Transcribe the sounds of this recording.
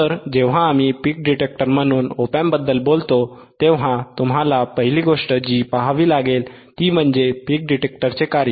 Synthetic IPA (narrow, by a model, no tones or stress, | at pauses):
t̪əɾd͡ʑeʋɦãːmipiːk̚ɖiʈek̚ʈəɾm̤əñuːnopambəd̪ːəlbolt̪o | t̪eʋɦat̪umɦalapəɦiliːɡoʂʈəd͡ʑiːpaɦaʋiːlaɡel | t̪iːm̤əɳd͡zepiːk̚ɖiʈek̚ʈəɾt͡sekaɾjə